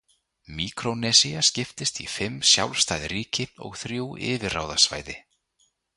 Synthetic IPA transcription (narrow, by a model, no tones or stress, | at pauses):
miːkɾonɛsiascɪft̪ɪst̪ifɪmːsja̰wlst̪ajðriːcɪɔ̰ɣθɾjuːʔɪ̰ːvɪra̰ːwðasva̰ːjðɪ